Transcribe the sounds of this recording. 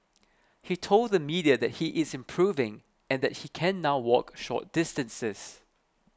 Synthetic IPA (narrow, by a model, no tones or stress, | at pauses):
hitʰold̚ðəmidiədɛt̚hiʔɪzɪ̃mpʰɹ̥uvɪ̃ŋ | ɛ̃nd̪ɛt̚hikʰɛ̃nːaʊwɔkʃɔ̰t̚d̥ɪstə̃nsəs